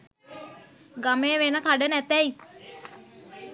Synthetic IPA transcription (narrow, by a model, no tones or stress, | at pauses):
ɡameːʋenəkaɖənæt̪ɛi